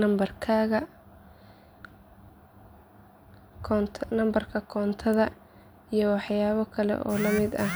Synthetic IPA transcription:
ɐmbɐrkʰaːɣɐ | t̪ʰnɐmbɐrkʰɐkʰɔːnt̪ʰɐðɐ | ijɞwɑħjaːβɐkʰɐlɛ̰ʔɔ̰ːlɐmɪd̪ɐh

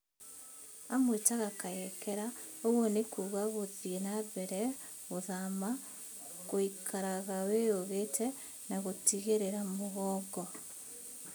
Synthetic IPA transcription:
amwetaɣakajekeɾaoɣwonekuɣaɣoðienaβeɾe | ɣoðama | koikʰaɾaɣawejoɣetʰe | naɣotiɣeɾeɾamoɣɔɡo

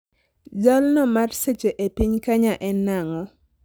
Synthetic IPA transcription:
d͡ʒalnɔmarset͡ʃeʔepiɲkaɲaʔɛnːaŋɔ

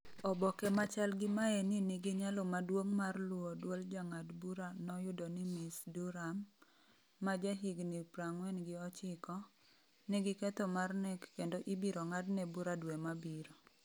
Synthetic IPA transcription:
ɔbɔkɛmat͡ʃalɡɪmaeninɪɡɪɲalomadwoŋmarlʊodwold͡ʒaŋadbuɾanɔjʊdonɪmɪsduɾamː | ad͡ʒɛɦiɡnɪpɾaŋwɛnɡɪɔt͡ʃɪkɔ | nɪɡɪkɛt̪omarnɛkːendoʔibiɾoŋadnebuɾadwemabiɾo

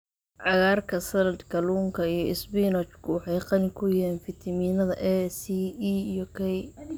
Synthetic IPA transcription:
ʕɑɣaːrkʰɐsɐnɐd̪kʰɐluːŋkʰɐijɞɪsbinɔt͡ʃkʰʊwɑħɑjqɑnɪkʰʊjɪɛːnfɪt̪ʰɐmiːnɐðɐʔɛsiijɔkʰɛj

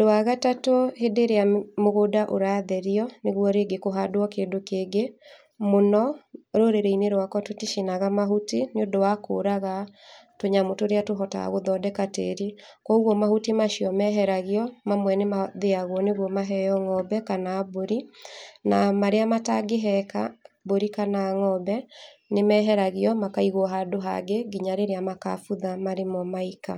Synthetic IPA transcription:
doaɣatatohedeɾeamoɣodaʔoɾaːðɛɾiɔneɣwɔɾeɡekoɦadoɔkeːndokeːɡe | monɔɾoɾeɾeineɾwakɔtotiʃinaɣamaɦutineodowako̰ːɾaɣatoɲamotoɾeatoɦɔta̰a̰ɣoðɔdɛkatḛɾi | kɔuɣwɔmahutimaʃiɔmɛɦɛɾaɣiɔmamwɛnemaðeaɣwɔneɣwɔmaɦɛjɔŋɔbɛkanaːboɾinamaɾeamataɡeɦɛka̰boɾikanaːŋɔbɛ | nemɛɦɛɾaɣiɔmakaiɣɔɦadoɦa̰ɡeɡiɲaɾeɾeamaka̰fuðamaɾemɔmaika

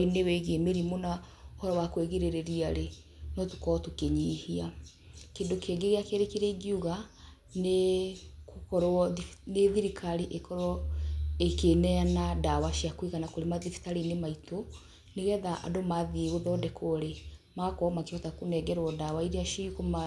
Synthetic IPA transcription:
inewɛɣemeɾimona | ohɔɾɔwakweɣeɾeɾeɾiaɾe | nɔtukɔtukeɲihia | kendokeːɡeɣeakeɾekeɾɛɡiuɣa | nekokɔɾɔneðiɾikʰaɾiʔekɔɾɔekenɛanadawaʃiakwiɣanakoɾemaðifi̥taɾinemaito | neɣɛðaʔa̰domaðieɣoðɔdɛkʰoɾemakɔmakeɔtakonɛɡɛɾwɔdawaiɾeaʃikoma

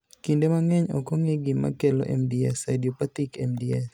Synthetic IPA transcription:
kindemaŋɛɲɔ̰kɔŋeɡima̰kelɔ̰ʔɛ̰mdiɛ̰sadiopat̪ikɛmdiɛs

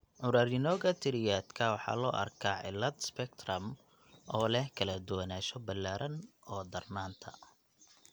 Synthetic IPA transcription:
ʕʊɾaːɾɪnɔːɣɐt̪ʰɪɾɪjaːd̪kʰɐwɑħɑ̰ːlɔ̰ːʔɐ̰rkʰaːʕɪ̰lɐd̪spɛk̚t̪ʰrɐm | ʔɔːlɛhkʰɐlɐd̪ʊwɐnaːʃɔbɐlːaːɾʔɐn | ɔːd̪ɐrnaːnt̪ʰɐ̰

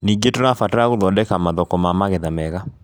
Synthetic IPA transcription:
niɡetoɾafataaɣoðɔdɛkamaðɔkɔmamaɣɛðamɛɣa

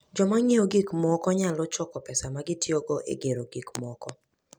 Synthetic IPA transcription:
d͡ʒɔmaŋeoɡikmɔkɔɲalɔt͡ʃɔkɔpɛsamaɡɪtjoɡɔʔḛɡeɾoɡikmɔkɔ

